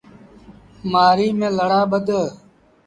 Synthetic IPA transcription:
maːɾiːmẽːləɽaːbəd̪ə

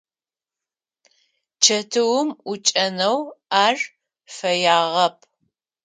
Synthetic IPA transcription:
t͡ʃʰɐtʰɨwʊmʊt͡ʃʼɐnɐwaːr | fɐjaːʁɐpʰʼ

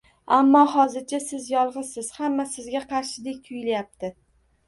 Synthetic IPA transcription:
amːɒhɒzɪɾt͡ʃʰasɪzjɒlˠʁɨsɪz̥hamːasɪzɡʲaqʰɑɾʃɪd̪e̞k̚ʲt̪ʰʊjlajap̚t̪ʰɪ

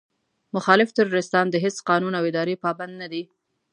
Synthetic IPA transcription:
mʊxɑlɪft̪ʊɾoɾɪst̪ɑnd̪əɦesqɑnunawɪd̪ɑɾepɑband̪̚nad̪i

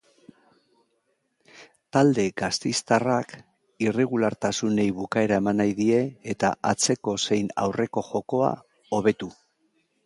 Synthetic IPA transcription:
t̪ald̪e̞ɡast̪ejst̪arak | ire̞ɣ̞ulaɾt̪asune̞jβukae̞ɾaemanajðie̞ːt̪a̰ʔat͡se̞ko̞se̞jna̰wre̞ko̞ʝo̞ko̞a̰ | o̞β̞e̞t̪u

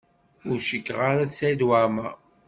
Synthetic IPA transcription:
ʊɾʃəkːʁaɾaðsæjd̪wama

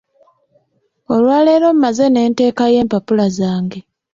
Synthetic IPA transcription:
o̞lwaːle̞ːɾo̞mumaze̞ne̞ːnte̞ːkaje̞ːmpapulazaːŋɡe

